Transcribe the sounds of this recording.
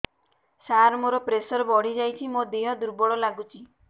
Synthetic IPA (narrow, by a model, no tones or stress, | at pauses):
saɾmoɾɔpɾesɔɾɔbɔɽ̤id͡ʒajt͡ʃʰimod̪iɦɔd̪uɾbɔɽɔlaɡut͡ʃʰi